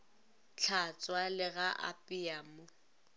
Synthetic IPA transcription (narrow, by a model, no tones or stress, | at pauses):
t͡ɬʰat͡sʼwalɪɣaʔa̰pʼɪamʊ